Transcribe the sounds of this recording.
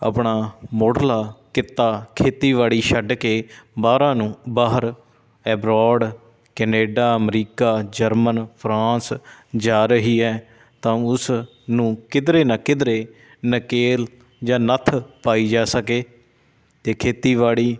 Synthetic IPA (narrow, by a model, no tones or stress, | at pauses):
ə̰pɳaːmoːɖlaːkɪt̪ːaːkʰeːt̪iːʋaːɭiːʃəɖkeːbaːɾãːnũːbaːɦəɾ | ɛːbɾɔːɖ | kɛːneːɖaːəmɾiːkaːd͡ʒəɾmənpʰɾãːsd͡ʒaːɾəɦiːɛː | t̪ãːʊs | nũːkɪd̪ɾeːnaːkɪd̪ɾeː | nəkeːl | d͡ʒãːnət̪ʰpaːiːd͡ʒaːsəkeː | t̪eːkʰeːt̪iːʋaːɽiː